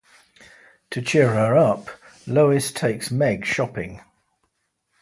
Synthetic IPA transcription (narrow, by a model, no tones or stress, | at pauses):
tʰət͡ʃʰɪəɹəɹʌp | ləʊɪstʰeɪksmɛɡ̥ʃɒpɪ̃ŋ